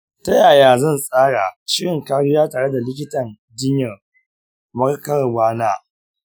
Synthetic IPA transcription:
ta˦jaː˨jaː˨zɐ˦˨nsʼaː˦ɽa˨ʃɪ˦ɽɪ˨ŋkaː˦ɽɪ˦jaː˦taː˨ɽe˦da˨lɪ˦k̬ʲɪ˦tɐ˨n | dɪ˦ɲjɐ˨r | mɐ˦rkɐ˦ɾɐ˨rɡʷaː˦naː˦

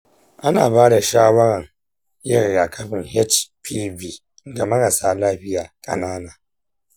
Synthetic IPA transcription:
ʔa˦naː˨baː˦da˨ʃaː˦wɐ˦ɾɐ˨ŋ | jɐ˦ɾɡa˨kʰɐ˦ɸɪ˨ŋhɛ˦t͡ʃpʰiː˦vi˦ | ɡa˨mɐ˦ɾɐ˨saː˦laː˦ɸɪ˦jaː˨kʼɐ̰˨naː˦naː˨

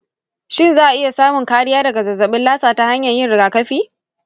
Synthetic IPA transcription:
ʃɪ˦nzaː˦ʔa˨ʔɪ˦ja˨saː˦mʊ˨ŋkaː˦ɽɪ˦jaː˦dɐ˨ɡa˨zɐ˨zɐ˨ɓɪ˦nlaː˦saː˨ta˦ha˦ɲjɐ˨jɪ˦nɽɪ˨ɡaː˨kɐ˦ɸiː˦

